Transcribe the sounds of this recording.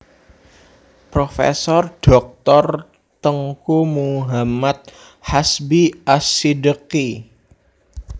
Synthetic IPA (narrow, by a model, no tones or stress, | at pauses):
pɾofḛsɔrɖ̥ɔk̚t̪ɔr | t̪əŋkumuɦamat̪̚ | hasbiasidəki